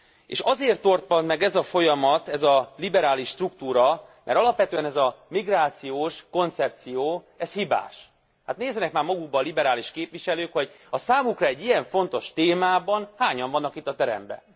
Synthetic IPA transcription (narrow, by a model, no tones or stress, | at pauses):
ḛːʃɒzeːrt̪ːo̞rt̪̚pɒnmɛɡɛzɒfo̞jɒmɒt̪ɛzɒlibɛɾaːliʃːt̪rukt̪uːɾɒmʔɛ̰ɾɒlɒpʋɛt̪øːɛnɛzɒmiɡraːt̪sijoːʃko̞nt̪sɛp̚t̪sijoː | ɛshiba̰ːʃ | hat̪neːzɛnɛkmaːrmɒɡuɡ̚bɒlibɛɾaːliʃkeːpʋiʃɛløːkho̞ɟ | ɒsaːmukrɒɛɟːijɛɱfo̞nt̪o̞ʃt̪eːmaːbɒnhaːɲɒɱvɒnːɒkit̪ːɒt̪ɛɾɛ̰mbɛ̰